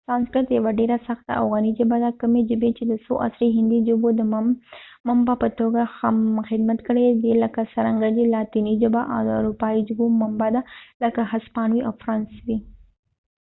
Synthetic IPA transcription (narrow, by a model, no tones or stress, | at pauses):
sɾɑnskɾat̪jawaɖeɾasaxt̪a̰a̰fɣɑnid͡ʒəbad̪akəmed͡ʒəbet͡ʃed̪əsoʔa̰sɾeɦɪnd̪id͡ʒəbod̪ə | mambapət̪oɡaxamxɪd̪mat̪kəɽed̪eləkasaɾaŋɡadilɑt̪inid͡ʒəbaʔa̰wd̪əaɾupɑid͡ʒʊbomambad̪aləkaɦaspɑnwiʔawfɾɑnswi